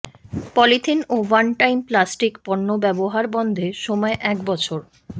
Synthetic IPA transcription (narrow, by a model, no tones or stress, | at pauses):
pɔlit̪ʰinowanʈajmplasʈikpɔɳːobɛboɦaɾbɔnd̪ʱeʃɔmɔeʔɛkbɔt͡ɕʰoɾ